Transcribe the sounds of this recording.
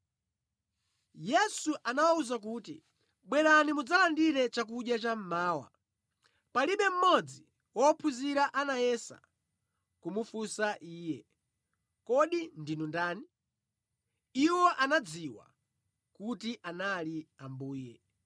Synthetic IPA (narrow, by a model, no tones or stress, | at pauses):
jɛsuʔanawauzak̬uːtḭ | ɓwɛɾanimud͡zalandiɾɛt͡ʃak̬uɗjat͡ʃam̩maːwa̰ | paliɓɛm̩mɔd͡zi | wɔpʰuziɾaʔanajɛsa̰ | kumufusaʔiːjɛ | kɔɗindinundaːni | iwɔʔanad͡ziwa̰ | kutiʔanaliambuːjɛ̰